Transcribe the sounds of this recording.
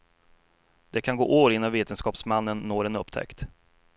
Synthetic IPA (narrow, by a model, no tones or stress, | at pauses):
d̪̥ɛkʰanɡo̰ːʔoːɾɪnːaveːt̪ənskɑːpsmanːənːoːɾɛnɵpːt̪ʰɛ̰kt̪